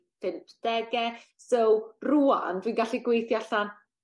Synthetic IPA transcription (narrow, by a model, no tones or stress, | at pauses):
pʰɪmpʰd̥ɛɡɛ | sowrua̰ndwiːnɡaɬiɡwejθjaɬan